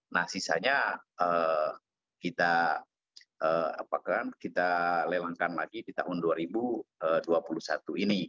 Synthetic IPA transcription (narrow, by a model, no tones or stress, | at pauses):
nahsisa̰ɲaə | kit̪a | əa̰pakankit̪alelaŋkanlaɡidit̪aɦʊnduaɾibuəduapulusat̪uini